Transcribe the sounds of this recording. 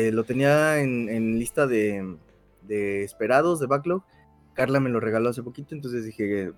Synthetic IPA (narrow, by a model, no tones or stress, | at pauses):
elo̞t̪e̞niaenenlist̪aðe̞ | ðe̞ːspe̞ɾaðo̞zðe̞βaklo | kaɾlame̞lo̞re̞ɣalo̞as̬e̞po̞kit̪o̞ent̪o̞nsezðixe̞